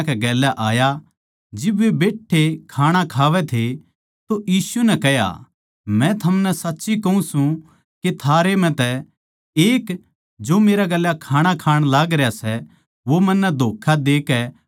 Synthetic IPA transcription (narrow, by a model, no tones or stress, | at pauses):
kɛɡɛːlːaʔaːja | d͡ʒɪbʋebeːʈʰːekʰaːɽ̃akʰaːʋɛt̪ʰe | t̪ojiːsunɛkɛɦja̰ | mɛ̃t̪ʰɐmnɛsɐtːʃikɐũsũ | ket̪ʰaːɾem̤ɛ̃t̪ɛ | eːk | d͡ʒoːmeːɾaɡɛljakʰaːɽ̃akʰaːɽ̃laːɡɾɪjasɛ | ʋomɐ̃nːɛd̪ʱoːkʰːad̪eːkɛ